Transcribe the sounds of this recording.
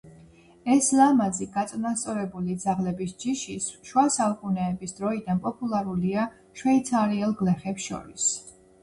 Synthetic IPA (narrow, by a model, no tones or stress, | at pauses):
ɛslˠamaziɡat̪sʼnast̪sʼɔɾɛbulid̪zaʁlɛbisd͡ʒiʃisʃwasalˠkʼunɛːbisd̪ɾɔid̪anpʼɔpʼulˠaɾulia | ʃwɛit̪sʰaɾiɛlˠɡlɛχɛpsʃɔ̰ɾis